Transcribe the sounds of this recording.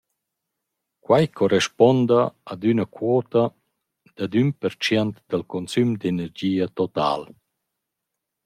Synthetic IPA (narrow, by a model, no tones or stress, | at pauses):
kwajkʰɔɾɛʃpɔnd̪aːd̪ynakwɔːt̪a | d̪̥ad̪ynpəɾt͡ʃjɛnt̪d̪alkɔnsymd̪enɛɾd͡ʑiːat̪ɔt̪a̰ːl